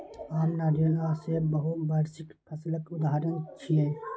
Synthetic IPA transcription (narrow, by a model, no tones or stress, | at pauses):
aːmnaɾolasebəɦut̪bəɾsɪkpʰəsilət̪ʊd̪aɦaɾənt͡ʃʰie